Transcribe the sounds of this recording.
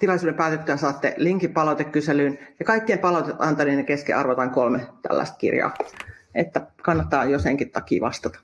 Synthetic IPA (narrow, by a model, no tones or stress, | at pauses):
t̪ilɑlisuːdempæːt̪et̪ːøæsɑːt̪ːḛliŋkipɑlɑut̪ekkyselyːnjɑkɑikːiempɑlɑut̪et̪ɑnt̪ɑniːnekeskḭʔɑ̰rʋot̪ɑŋkolmet̪æ̰lːæ̰ist̪̚kḭrjɑ̰ːʔet̪ːækɑnːɑt̪ːɑːjoseŋkit̪t̪ɑkḭːʋɑst̪ɑt̪ɑ̥